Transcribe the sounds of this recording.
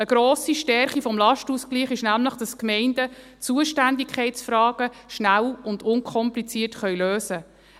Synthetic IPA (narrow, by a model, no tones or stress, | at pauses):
əɡ̥ɾoːsiʃtɛɾχifɔmlɑʃtuskliːχɪʃnæmləχd̥ɑskmɛɪndə | t͡suəʃtændikʰχɛɪtsfɾɑːɡ̥əʃnælʊndʊŋkʰɔmplit͡siərtχœɥløːsə